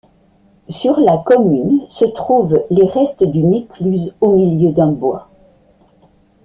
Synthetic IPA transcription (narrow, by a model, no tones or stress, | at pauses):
syʁlakɔmynsət̪χuvleʁɛst̪d̪yneklyzomiljød̪ɛ̃bwa